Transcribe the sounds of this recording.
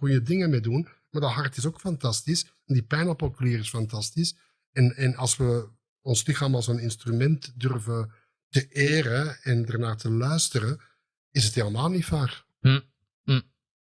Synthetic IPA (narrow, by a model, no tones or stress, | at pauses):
kɵnjədɪŋəmedun | maːɹdɑtɦɑrtɪsokfɑntɑstis | ɛndipɛjnɔpɔkliːɾɪsfɑntɑstis | ɛnɛnɑlˠsʋə | ɔnslɪxaːmɑlˠzonɪnstrymɛntdʏrvə | təʔeːrəɛndərnaːtəlœɥstəɾə | ɪsətheːləmaːlˠnitfaːr